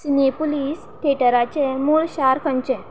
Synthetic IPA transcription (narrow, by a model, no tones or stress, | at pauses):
sinepuliːs | ʈʰeʈəɾat͡ɕɛmuːɭɕaɾkʰə̃ɲt͡ɕɛ̃